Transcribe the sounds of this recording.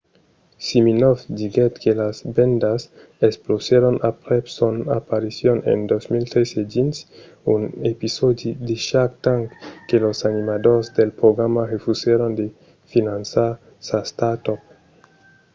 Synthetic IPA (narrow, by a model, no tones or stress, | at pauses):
siminofd̪iɡet̪kelasbend̪as | esploseɾonapɾepsonapaɾisjonḛnd̪osmilt̪ɾesedins | unepisod̪id̪eʃakt̪aŋkkelosanimad̪oɾsd̪elpɾoɡɾamaʁefuseɾond̪e | finansa | sast̪at̪op